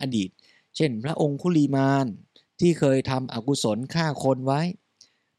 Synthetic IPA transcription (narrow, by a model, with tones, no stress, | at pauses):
ʔaː˧diː˨˩t̪̚ | t͡ɕʰe˥˩npʰɾa˦˥ʔo˧ŋpʰuː˥˩liː˧maː˧n | t̪ʰiː˥˩kʰɤː˧jt̪ʰa˧mʔa̰˨˩ku˧˩so˩˦nkʰaː˥˩kʰo˧nwa˦˥j